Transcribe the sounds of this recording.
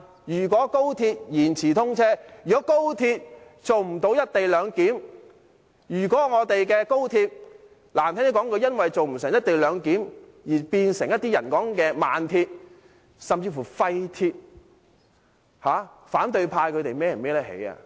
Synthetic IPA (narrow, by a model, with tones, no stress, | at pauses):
jyː˨˩k̬ʷɔː˨˥ko˥wt̪ʰiː˧t̚jiː˨˩nt͡sʰiː˨˩t̪ʰʊ˥ŋt͡sʰɛː˥yː˨kɔ˨˥ko˥wt̪ʰiː˧t̚t͡so˨wm̩˨˩t̪o˨˧wjɐ˥t̚t̪e˨jlœː˨˧ŋkiː˨˥m | jyː˨˩kʷɔː˨˥ŋɔː˨˧t̪e˨jkɛː˧ko˥wt̪ʰiː˧t̚ | laː˨˩mt̪ɛ˥ne˧˥kɔː˨˥ŋkʰɵ˨˧jɐ˥nwɐ˨jt͡so˨wm̩˨˩sɪ˨˩ŋjɐ˥t̚t̪e˨jlœː˨˧ŋkiː˨˥m | jiː˨˩piː˧nsɪ˨˩ŋjɐ˥t̪ːiː˥jɐ˨˩nkɔː˨˥ŋkɛː˧ma̰ː˨nt̪ʰiː˧t̚ | sɐ˨mt͡siː˧fu˨˩fɐ˧jt̪ʰiː˧t̚ | haː˨˧ | faː˨˥nt̪ɵ˧ɥpʰaː˧jkʰɵ˨˧t̪e˨jmɛː˥jɐ˨˩mɛː˥lɛ˥hḛ˨˥ja̰ː˧